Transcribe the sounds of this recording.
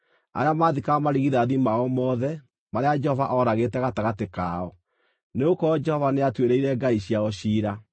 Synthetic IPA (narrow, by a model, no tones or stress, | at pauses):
a̰ɾeamaːðikamaɾiɣiðaðimaɔmɔːðɛ | maɾead͡ʒɛhɔvaʔɔɾaɣetɛɣataɣateka̰ɔ | neokɔd͡ʒɛhɔvaneatweɾeiɾɛɡaiɕiaɔɕiːɾa